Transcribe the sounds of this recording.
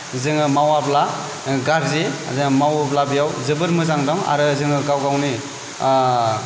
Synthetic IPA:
zɯŋɯmawabla | ɡaɾzezɯŋɯmawɯblabijawzɯbɯɾmɯzaŋdɔŋa̰ɾɯzɯŋɯɡawɡawni

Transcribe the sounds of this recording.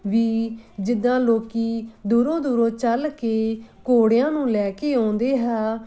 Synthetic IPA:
ʋiːd͡ʒɪd̪ãːloːkiːd̪uːɾõːd̪uːɾõːt͡ʃəlkeːkoːɽjãːnũːlɛːkeːãːnd̪eːɦɛː

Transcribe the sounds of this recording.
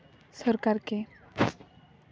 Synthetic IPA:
səɾkaɾke

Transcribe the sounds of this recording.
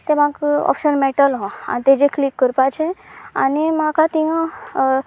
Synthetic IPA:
t̪emaɡɔ̰pɕənmɛʈəlɦɔ̃a̰t̪ed͡ʑeklikːəɾpat͡ɕʰẽa̰nimakʰat̪iŋa

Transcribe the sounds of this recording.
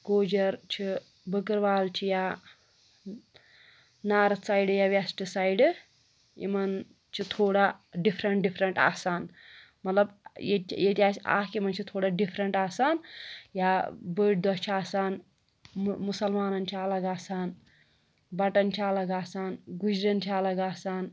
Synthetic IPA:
koːd͡ʒɐɾt͡ʃʰi | bəkɨɾʋaːlt͡ʃʰija | naːɾɐsaːjɖjaʋɐsʈɨsaːjɖ | ḭmɐn | t͡ʃʰit̪ʰoːɽaɖipʰɾɐɳʈɖipʰɾɐɳʈa̰ːsaːn | mɐt̪lɐbjejet̪ʲaːt͡ʃʰia̰ːkimɐnt͡ʃʰit̪ʰoːɽaɖipʰɾɐɳʈaːsaːnjabəːɖ̚d̪ɔt͡ʃʰiaːsaːn | musɐlmaːnɐnt͡ʃʰiɐlɐɡaːsaːn | bɐʈɐnt͡ʃʰiɐlɐɡaːsaːnɡud͡ʒɾɐnt͡ʃʰiɐlɐɡaːsaːn

